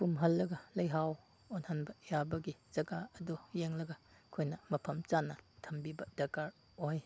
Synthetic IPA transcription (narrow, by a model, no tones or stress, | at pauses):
pumɦɐlːɐɡɐlɐjɦaw | onhanbɐjabɐɡiz̥ɐɡaɐdojeŋlɐɡɐkʰojnɐmɐpʰɐmt͡ʃanːɐtʰɐmbibɐdɐkaɾ | oj